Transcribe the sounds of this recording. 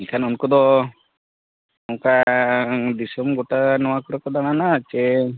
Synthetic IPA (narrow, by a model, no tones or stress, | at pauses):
ilkʰanunkɔd̪ɔ | ɔŋka | d̪isɔmɡoʈanɔwakɔɾɔkɔd̪ananat͡ʃe